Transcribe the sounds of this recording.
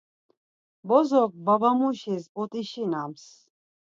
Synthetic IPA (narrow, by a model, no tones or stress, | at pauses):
bɔzɔk̚babamuʃisbɔt̪ʼiʃinams